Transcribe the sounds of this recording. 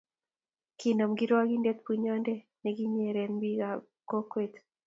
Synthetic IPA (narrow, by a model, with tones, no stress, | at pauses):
ki˨na˨mɡi˦ɾa˦ɡi˦ndɛ˦t̪̚pu˨ɲɔ˦ndɛ˦ | nɛ˨ɡi˦ɲe˨ɾɛ˨nbi˦ɡa | ko˦kwe˦t̪